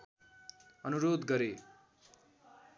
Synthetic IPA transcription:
ʌnuɾod̪ɡʌɾe

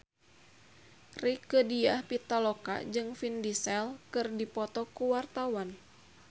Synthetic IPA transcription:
rikədiahpit̪aloka̰d͡ʒɨŋfindisɛlkɨrdipɔt̪ɔkuwart̪awan

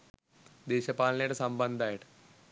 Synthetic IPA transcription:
d̪eːɕəpalneʈsəmbənd̪ʱajʈ

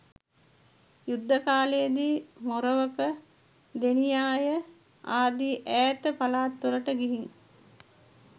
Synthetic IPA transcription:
jud̪ːəkaːlejəd̪iːmoɾəʋəkə | d̪enijaːjə | aːd̪iʔæːt̪əpalaːt̪ːuɾəʈəɡiɦiŋ

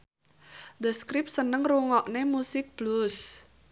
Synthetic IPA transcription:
d̪əskɾɪp̪̚sənəŋruŋɔʔnemusɪk̚b̥lus

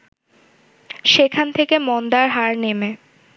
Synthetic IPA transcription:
ʃekʰant̪ʰekemɔnd̪aɾɦaɾneme

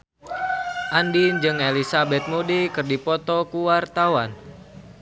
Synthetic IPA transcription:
ʔandind͡ʒɨŋelisabɛt̪̚mudikɨrdipɔt̪ɔkuwart̪awan

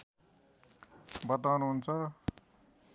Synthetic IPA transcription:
bʌt̪awnuɦunt͡sʰʌ

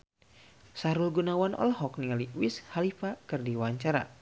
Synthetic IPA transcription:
saɾulɡunawanʔɔ̰lhɔk̚nialiwishalifakɨrdiwaɲt͡ʃaɾa̰

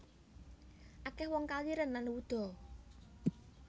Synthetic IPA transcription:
ʔakɛhwɔŋkaliɾənlanwud̪̥ɔ̤

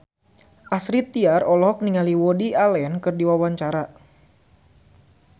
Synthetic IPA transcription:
ʔasɾit̪iarɔlɔɦɔk̚niŋaliwɔdialɛnkɨrdiwawaɲt͡ʃaɾa

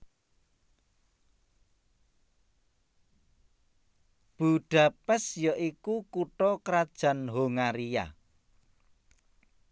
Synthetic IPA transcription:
b̥ṳɖ̥a̤pɛsjɔʔikukuʈɔkɾad̥ʒ̥a̤nɦoŋaɾija̰

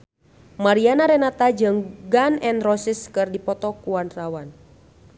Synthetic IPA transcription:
maɾianaɾɛnat̪ad͡ʒɨŋɡanɛnrɔsiskɨrdipɔt̪ɔkuwanrawan

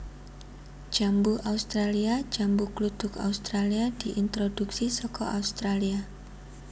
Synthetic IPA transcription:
d͡ʒ̥ambuʔaust̪ɾaliad͡ʒambuklut̪ʊka̰ust̪ɾaliad̥iʔint̪ɾod̥uksisɔkɔ̰ʔaust̪ɾalia

